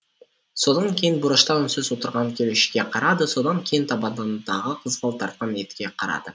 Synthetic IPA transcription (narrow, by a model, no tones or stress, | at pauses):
so̞d̪ɑŋkʲʰe̞jɪnbʊɾəʃt̪ɑwɪnsɵzwo̞t̪əɾʁɑŋkʲʰeleʃɪ̥kʲe̞qʰɑɾɑd̪əso̞d̪ɑŋkʲʰejɪnt̪ʰɑbɑd̪ɑnd̪ɑʁəqʰəzqɑlˠt̪ʰɑɾt̪̚qɑne̞t̪kʲe̞qʰɑɾɑ̰d̪ə